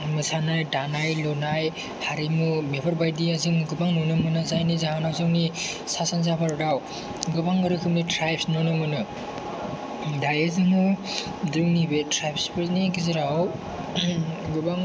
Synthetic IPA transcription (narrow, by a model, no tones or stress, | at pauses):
mɯsʰanajdanajlonaj | haɾimumebʰaɾbajdiaziŋɯɡɯbaŋnonɯmɯnazajnizaɦanawzɯŋni | sasanz̬apʰaɾdaw | ɡɯbaŋɡɯɾɯkʰɯmnitɾajpʰsnonɯmɯnɯ | dajezɯŋɯ | dɯŋnibetɾajpʰspʰeɾnikiziɾaw | ɡɯbaŋ